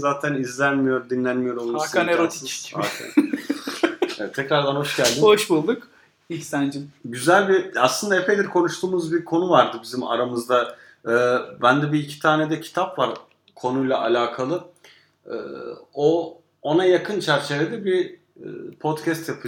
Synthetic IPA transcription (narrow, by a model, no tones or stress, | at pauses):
zaːt̪ʰænizlʲænmijo̞ɾd̪inlʲænmijo̞ɾolˠumaskʰaneɾot̪ʰit͡ʃcia̰kʰa̰n | ɛ̰ɛt̪ʰːɛcɾaɾd̪anhɦo̞ʃɟælʲd̪inoʃbulˠd̪uk | icsænd͡ʒimɟyzælʲbiaslˠɯnd̪aepʰejd̪ʲiɾkʰo̞nuʃt̪ʰuːmuzbiɾkʰo̞nuvaɾd̪ɯbizima̰ɾamɯzd̪a | ɯːbænd̪ɛbiːcʰi̥t̪ʰaːned̪ɛcʰi̥t̪ʰapvaɾ | kʰo̞nujlˠaʔa̰lʲaːkʰalˠɯ | ɯ̰ːo | onajakʰɯnt͡ʃʰæɾt͡ʃʰe̞ved̪ɛbḭː | pʰot̪cʰɛst̪japʰɯ